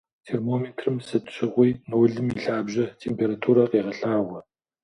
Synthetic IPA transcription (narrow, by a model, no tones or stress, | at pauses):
tʰeːrmoːmeːtʰrɨmsɨtʼɕɪʁʷijnuwɮɨmiɬaːbʑɐtʰeːmpʰeːɾatʰuːɾɐqeːʁɐɬaːʁʷɐ